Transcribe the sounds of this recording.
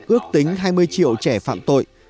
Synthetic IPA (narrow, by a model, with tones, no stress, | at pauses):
ʔɨ˦˥ək̚t̪i˨˦ŋ̟ɦaː˧jmɨ˧əjt͡ɕḭ˧˨əwt͡ɕɛ˧˩fa̰ː˧˨mt̪o̰˧˨j